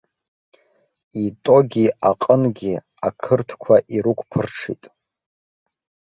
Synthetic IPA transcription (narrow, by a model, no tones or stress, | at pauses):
itʼo̞ɡʲiaqʼənɡʲi | akʰɨrtʰkʷʰaʔiɾukʷʰpʰɨrʈ͡ʂʰḭtʼ